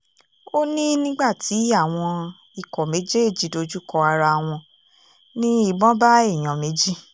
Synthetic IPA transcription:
o˦nĩ˦nĩ˦ɡ͡ba˦˨tʰi˨˦a˦˨w̃ɔ̃˧ | i˨kɔ˨me˨˦d͡ʒe˦e˦˨d͡ʒi˨˦do˧d͡ʒu˦kɔ˧a˧ɾa˧˨w̃ɔ̃˧ | nĩ˦i˦˨ɡ͡bɔ̃˦ba˦e˦˨j̃ɔ̃˨me˨˦d͡ʒi˦

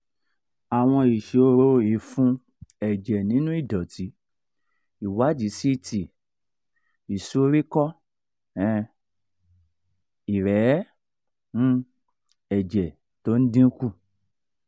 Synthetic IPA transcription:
a˨w̃ɔ̃˧i˨ʃe˨o˧ɾo˧i˨fũ˦ | ɛ˨d͡ʒɛ˨nĩ˨˦nũ˦i˦˨dɔ˨ti˨˦ | i˨wa˨˦d͡ʒi˨˦si˦˨ti˨ | i˨so˦ɾi˦kɔ˦ | ɛ̃˧ | i˨ɾɛ˨˦˧ | ɛ˨d͡ʒɛ˨ | to˦n̩˦dĩ˦ku˦˨

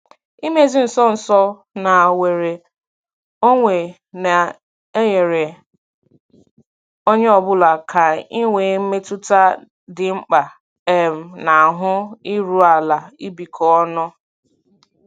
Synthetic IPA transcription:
i˦me˦˨zi˦n̩˨sɔ˦n̩˨sɔ˦ | na˨we˨ɾe˨ | o˦ŋʷe˨ | na˨ | e˦ɲe˨ɾe˨ | o˦ɲe˦ɔ˨bʊ˦la˨kʰa˨i˦ŋʷe˨˦me˦tʊ˦ta˦ | dɪ˨ŋ͡m̩˦k͡pa˨ | e˦m̩˨na˨a˨ɦʊ˦i˦ɾu˦a˨la˨i˦bi˨kʰɔ˨ɔ˦nɔ˦

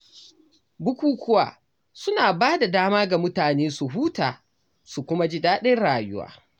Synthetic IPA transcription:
bʊ˦kʷuː˦kʷʊ˦wa̰ː˨ | sʊ˦naː˨baː˦da˨daː˦maː˦ɡa˨mʊ˦taː˨neː˦su˨ɦuː˦taː˨ | su˨kʷʊ˦ma˦d͡ʒi˦daː˦ɗɛ˦nɽaː˨jʊ̰˦wa̰ː˦

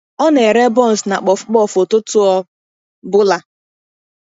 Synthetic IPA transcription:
ɔ˦ne˨ɾe˦bɔ˦˨n̩˨sna˨k͡pɔ˨fk͡pɔ˦˨fo˨tʊ˦tʊ˦ɔ˦ | bʊ˦la˨

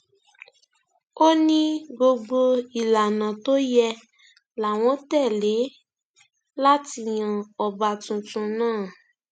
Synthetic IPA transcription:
o˦nĩ˦ɡ͡bo˧ɡ͡bo˧i˨la˨nã˨to˦jɛ˧ | la˨w̃ɔ̃˨˦tɛ˦˨le˨˦ | la˦ti˧j̃ã˨ɔ˨ba˨tũ˧tũ˧nãː˦˨

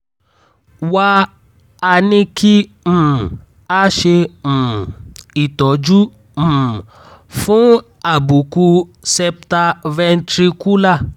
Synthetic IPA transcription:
wa˧˦ | a˧nĩ˧ki˦ | m̩̃˦˨ | a˦ʃe˧m̩̃˨i˨tɔ˨d͡ʒũ˦˨ | fũ˦ | a˨bu˨ku˧sɛ˧p̚ta˧vɛ˧n˦tɾi˧ku˦la˦˨

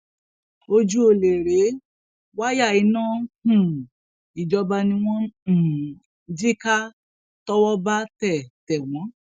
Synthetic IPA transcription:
o˧d͡ʒu˦o˧˨le˨ɾe˨˦ | wa˦ja˦˨i˨˦nãː˦hũ˦˨ | i˨d͡ʒɔ˧ba˧nĩ˧w̃ɔ̃˦˨ | d͡ʒi˦ka˦ | tɔ˦wɔ˦ba˦tɛ˦˨tɛ˨w̃ɔ̃˨˦

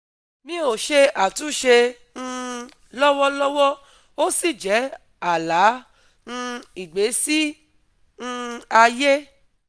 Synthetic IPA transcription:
mĩ˦o˨ʃe˧a˨tũ˨˦ʃe˧ | ñ̩˧ | lɔ˦wɔ˦lɔ˦wɔ˦ | o˦si˦˨d͡ʒɛ˨˦ | a˨la˨˦ | ñ̩˧i˨ɡ͡be˨˦si˦ | ñ̩˦˧a˧je˦

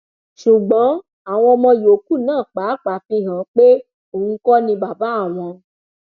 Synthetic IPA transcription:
ʃu˨ɡ͡bɔ̃˨˦ | a˨w̃ɔ̃˧mɔ̃˧jo˨˦ku˦˨nãː˦˨k͡pa˨˦k͡pa˨fĩ˧ɦã˨k͡pe˦ | o˨hũ˧kɔ˦nĩ˧ba˨ba˨˦a˦˨w̃ɔ̃˧

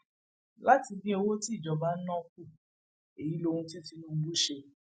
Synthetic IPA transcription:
la˦ti˧bi˦o˧wo˦ti˦i˦˨d͡ʒɔ˨ba˨˦n̩˦nɔ̃˦ku˦˨ | e˨ji˨˦lo˧hũ˧ti˦o˦˨ti˧nũ˦bu˦ʃe˧

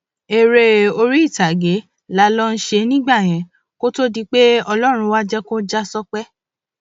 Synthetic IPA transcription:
e˨ɾe˧o˧ɾi˦i˦˨ta˨ɡe˨˦ | la˦lɔ˦n̩˦ʃe˧nĩ˦ɡ͡ba˦˨j̃ɛ̃˨ | ko˦to˦di˧k͡pe˦ɔ˧lɔ˦ɾ̃ũ˧wa˦d͡ʒɛ˦kõ˦d͡ʒa˦sɔ˦k͡pɛ˦

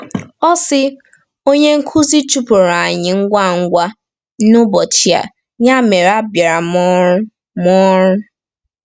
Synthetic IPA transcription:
ɔ˦sɪ˦ | o˦ɲe˦ŋ̩˦kʰu˦zi˦t͡ʃu˦pʊ˨ɾa˨ɲɪ˨ŋ̩˦ɡʷa˦˨ŋ̩˦ɡʷa˦ | nʊ˦bɔ˨t͡ʃi˨˦a̰˨ | ɲa˦me˨ɾa˦bja˨ɾa˨mɔ˦ɾʊ˦ | mɔ˦ɾʊ˦

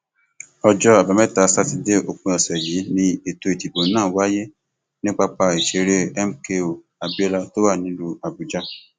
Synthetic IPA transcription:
ɔ˧d͡ʒɔ˧a˨ba˨mɛ̃˦˨ta˧˦sa˦ti˧de˦o˨k͡pũ˧ɔ˨sɛ˨ji˨˦nĩ˧e˨to˧i˨ti˨bo˨˦nãː˦˨wa˦je˦ | nĩ˦k͡pa˧k͡pa˧i˨ʃe˧ɾe˦ɛ˦m̩˦ke˧o˨ | a˨bi˦ɛ˦la˧to˦wa˦˨nĩ˨˦lu˧a˨bu˨d͡ʒa˧˦

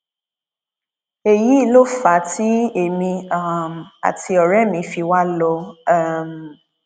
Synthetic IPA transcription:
e˨ji˨˦lo˦fa˨˦ti˦e˨mĩ˧a˦m˨a̰˨tʰi˧ɔ˨ɾɛ˦mĩ˨˧fi˧wa˦lɔ˧˦˨m

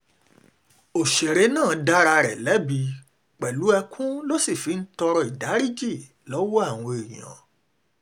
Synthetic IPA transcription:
o˨ʃe˨ɾe˨˦nãː˦˨da˦ɾa˧ɾɛ̰˨lɛ˨˦bi˧ | k͡pɛ˨lu˨˦ɛ˧kʰũ˦lo˦si˦˨fi˨˦n̩˦tɔ˧ɾɔ˧i˨da˨˦ɾi˦d͡ʒi˦˨ | lɔ˨˦wɔ˦a˦˨w̃ɔ̃˧e˨ɾĩ˨ã̰˨

